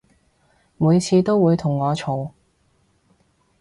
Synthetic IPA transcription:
muː˨˧jt͡sʰiː˧t̪o˥wwuː˨˧jt̪ʰʊ˨˩ŋːɔː˨˧t͡ʃʰo˨˧w

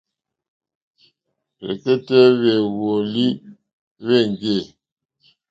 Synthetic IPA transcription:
ɾḛ˨ke˦tɛ˦βe˨wo˨li˦ | βe˦˨ŋ˨ɡe˦˨

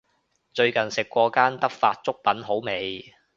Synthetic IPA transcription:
t͡ʃɵ˧ɥkɐ˨˩nsɪ˨kːʷɔː˧kaː˥nt̪ɐ˥k̚faː˧t̚t͡sʊ˥k̚pɐ˨˥nɦo˨˥wme˨˧j

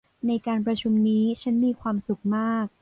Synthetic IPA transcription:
na˧jkaː˧np̬ɾa˧t͡ɕʰu˧mniː˦˥t͡ɕʰa˦˥nmiː˧kʰwaː˧msu˨˩k̚maː˥˩k̚

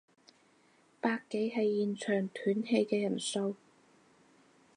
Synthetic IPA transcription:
paː˧kːe˨˥jɦɐ˨jːiː˨nt͡ʃʰœː˨˩ŋt̪ʰyː˨˥nhe˧jkɛː˧jɐ˨˩nso˧w

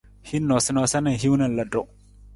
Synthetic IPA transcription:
hi˦nːo˨sə˦na˨˦sa˦na˨ɦi˦wnɐ˨lɐ˨do˦˨

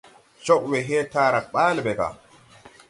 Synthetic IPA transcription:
t͡ʃɔ˦ʔwɛɦɛːtaːɾa˨k̚ɓaː˦lbɛka̰˨

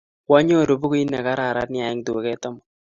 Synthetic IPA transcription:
kwɔ˦ɲo˦˨ɾo˨bu˦ko˦i˦na˨ka˦ɾa˨ɾa˦tnɪ˦a˨ɪ˦ŋdu˨e˨kɛ˦tɔ˦mɔ˨

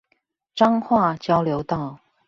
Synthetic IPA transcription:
ʈ͡ʂɑ˥ŋxwa˥˨t͡ɕjɑ˥ʊljo˧˥ʊt̪ɑ˥˩ʊ

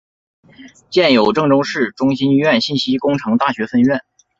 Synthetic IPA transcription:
t͡ɕjɛ˥˩njo˨˩ʊʈ͡ʂɤ˥˧ŋʈ͡ʂʊ˥ŋʂɻ̩˥˩ʈ͡ʂʊ˥ŋɕi˥ni˥˧ɥɛ˥˧nɕi˥˩nɕi˥kʊ˥ŋʈ͡ʂʰɤ˧˥ŋt̪a˥˩ɕɥɛ˧˥fə˥˧nɥɛ˥˩n

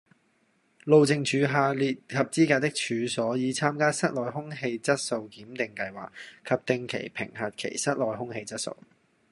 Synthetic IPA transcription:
lo˨wt͡sɪ˨ŋt͡ʃʰyː˨˧ɦaː˧liː˨t̚kʰɐ˨p̚t͡siː˥kaː˧t̚t̪ɪ˥k̚t͡ʃʰyː˨˧sɔː˨˥jiː˨˧t͡sʰaː˥mkaː˥sɐ˥t̚lɔː˨˩jɦʊ˥ŋɦe˧jt͡sɐ˥t̚so˧wkiː˨˥mt̪ɪ˨ŋkɐ˧jwa̰ː˨k̚kʰːɐ˨p̚t̪ɪ˧ŋkʰe˨˩jpʰɪ̰˨˩ŋɦɐ˨t̚kʰḛ˨˩jsɐ˥t̚lɔː˨˩jhʊ˥ŋhe˧jt͡sɐ˥t̚so̰˨˧w

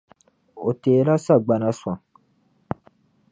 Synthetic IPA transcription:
o˨te˨˦la˦sa˦˨ɡ͡ba˧nã˧˦swã˨

